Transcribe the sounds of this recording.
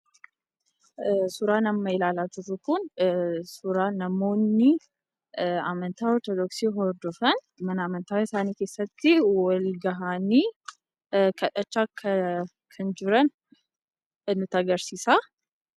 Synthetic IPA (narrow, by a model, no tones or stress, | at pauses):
sʊɾaːnɐmːɐɪlaːlaːt̪ʊɾʊkʊnsʊɾaːnɐmo̞ːnːɪ | amɐnt̪aːɔɾt̪ɔd̪ɔksiːɦɔɾd̪ɔfɐn | mɐnɐːmɐnt̪aːɪsaːniːke̞ːsːɐt̪ːɪwɐlɡɐɦaːniː | kʰɐᶑɐt͡ʃːaːkʰː | kʰɐnd͡ʒɪɾɐn | nʊt̪ɐɡɐɾsiːsaː